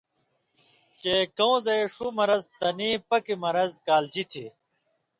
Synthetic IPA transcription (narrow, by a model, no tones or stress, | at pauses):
t͡ɕeːkɐw̃zɐjʂumɐɾɐzt̪ɐniːpɐkimɐɾɐzkaːld͡ʑit̪ʰi